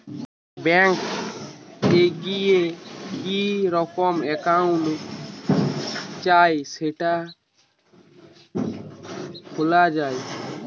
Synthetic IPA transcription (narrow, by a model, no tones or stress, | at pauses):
bɛŋk | eɡijekiɾɔkɔmɛkaũlok | t͡ʃajseʈa | kʰolad͡ʒaːj